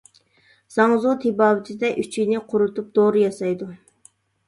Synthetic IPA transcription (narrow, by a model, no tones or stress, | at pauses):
z̥ɑŋzut̪ʰɪbɑːwɪt̪ʰɪd̪ɛʔyt͡ʃʰijnɪqʰʊɾut̪up̚d̪̥oɾɨjɑsɑjd̪u